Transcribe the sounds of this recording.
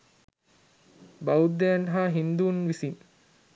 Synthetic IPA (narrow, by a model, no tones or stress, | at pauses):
baud̪ːejanɦaːɦind̪uːnʋisin